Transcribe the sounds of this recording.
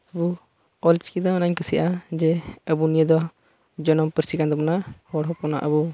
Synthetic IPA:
əbu | ɔlt͡ʃkid̪ɔnaɲkusiʔad͡ʒɛəbunijəd̪ɔ | d͡ʒɔnɔmpəɾsikand̪ɔpɔnahɔɽɦɔpɔnaʔəbu

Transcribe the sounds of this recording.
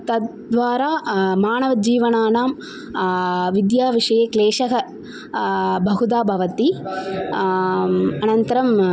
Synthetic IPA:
t̪ɐ | d̪ʋaːɾaːmaːnɐʋɐd͡ʒiːʋɐnaːnaːm | ʋid̪jaːʋiʂɐjeːkleːʂɐɦɐ | bʱɐɦud̪aːbʱɐʋɐt̪i | ɐnɐnt̪ɐɾɐm

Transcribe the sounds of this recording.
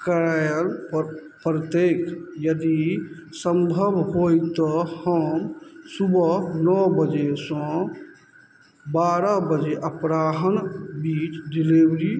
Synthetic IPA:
kəɾajəl | pɾət̪ekjəd̪i | səmbʱəbɦoit̪ɔhəmsubənɔbəd͡ʒesɔ̃ | baɾəbəd͡ʒeʔəpɾaɦənbiːt͡ʃdilibɾi

